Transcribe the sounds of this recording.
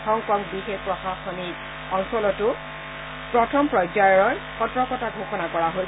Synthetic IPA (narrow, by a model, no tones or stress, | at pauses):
tʰɔŋkɔŋbixek̚pɹɔxaxɔnit | ɔŋsɔlɔtʊ | pɹɔtʰɔmpɹɔjzajɔɹɔɹkɔtɹɔkɔtaɡʱoxɔnakɔɹaɦo